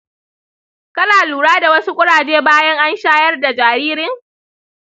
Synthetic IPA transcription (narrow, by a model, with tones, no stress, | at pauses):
kɐ˦naː˨luː˨ɽaː˦da˨wɐ˦su˦kʷʼʊ˦ɽaː˨d͡ʒeː˦baː˦jɐ˦ŋʔa˦nʃaː˦jɐ˦rda˨d͡ʒaː˨ɾiː˦ɾɪ˦ŋ